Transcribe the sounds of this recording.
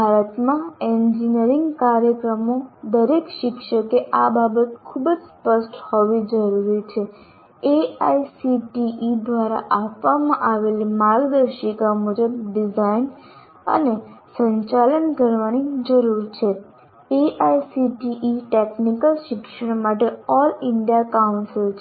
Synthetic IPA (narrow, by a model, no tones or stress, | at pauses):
bʱaɾət̪mãeɲd͡ʒinəɾiŋɡkaɾjəkɾəmod̪əɾekʃɪkʃəkeʔababət̪kʰubəd͡ʒspəʃʈhoʋid͡ʒəɾuɾit͡ʃʰe | eajsiʈiʔid̪ʋaɾa̰ʔapʋamãʔaʋelimãɡd̪əɾʃikamud͡ʒəb̚ɖid͡ʒain | ə̰nesə̃ɲt͡ʃalənkəɾʋanid͡ʒəɾuɾt͡ʃʰe | eʔajsiʈiʔiʈeknikəlʃɪkʃəɽmaʈeɔlɪɳɖijakaunsilt͡ʃʰ